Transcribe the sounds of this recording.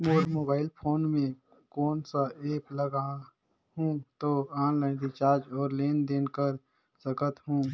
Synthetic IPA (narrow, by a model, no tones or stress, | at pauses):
moːɾmoːbaːɪlpʰoːnmẽ | kɔːnsaeːpləɡa | ɦũːt̪oãːnlaːɪnd̪it͡ʃaːɾd͡ʒɔːɾleːnd̪eːnkəɾ | səkət̪ɦũː